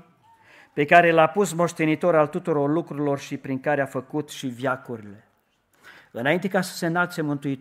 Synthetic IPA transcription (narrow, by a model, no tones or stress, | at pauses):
pe̞kaɾe̞lapus̬mo̞ʃt̪e̞nit̪o̞ɾalt̪ut̪uɾo̞rlukɾuɾilo̞rʃipɾiŋkaɾeafəkut̪ʃivjakuɾile̞ | ɨnaint̪e̞kasə̥se̞nalt̪se̞mɨnt̪uit̪